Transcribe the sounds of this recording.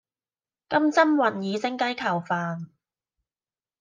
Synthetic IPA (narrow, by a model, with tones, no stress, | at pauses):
kɐ˥mt͡sɐ˥mwɐ˨˩njiː˨˧t͡sɪ˧˥ŋkɐ˥jkʰɐ˨˩wfaː˨n